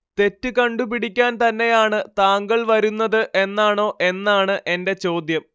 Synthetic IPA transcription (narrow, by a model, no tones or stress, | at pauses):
t̪e̞tːɨkɐɳɖup̬iɽikʲːaːnt̪ɐnːe̞jaːɳɨt̪aːŋɡɐɭʋɐɾunːɐðɨʔe̞nːaːɳo̞ːʔe̞nːaːɳɨʔe̞nde̞t͡ɕo̞ːd̪jɐm